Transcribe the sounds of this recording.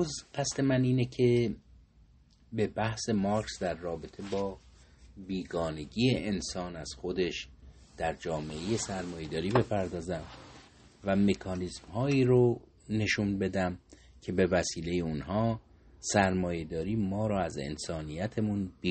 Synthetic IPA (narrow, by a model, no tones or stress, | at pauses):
ozɢ̥æst̪e̞mæniːnecʰe̞ | be̞bæhse̞mɒɾksd̪æɾːɒːbe̞t̪ʰe̞bɒː | biːɡɒːne̞ɟiːeʔensɒːnæz̥xo̞d̪e̞ʃd̪̥æɾd͡ʒɒːme̞eje̞sæɾmɒːje̞d̪ɒːɾiːbe̞pʰæɾd̪ɒːzæm | væmekʰɒːnismhɒːiːɾo | ne̞ʃuːnbe̞d̪æm | cʰe̞be̞væsiːle̞je̞unɦɒː | sæɾmɒːjed̪ɒːɾiːmɒːɾɒːæze̞̰nsɒːnijæt̪ʰemunbi